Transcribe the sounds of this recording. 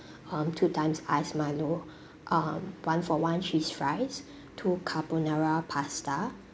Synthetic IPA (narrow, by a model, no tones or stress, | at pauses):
ʌ̃mtʰutʰãɪ̃msaɪsmaɪlo | ʔʌmwãnfɔwãnt͡ʃisfɹaɪs | tʰukʰaponaɹapʰasta